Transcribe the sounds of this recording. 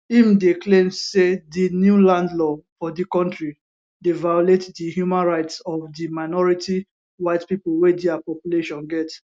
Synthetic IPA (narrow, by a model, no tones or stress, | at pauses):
ĩmdeklẽmsedinjulãndlɔfɔdikɔ̃ntɹi | devajɔletdihjumãnɹaɪtsɔfdimaɪnɔɹiti | waɪdpipolwediapɔpjuleʃɔ̃nɡɛt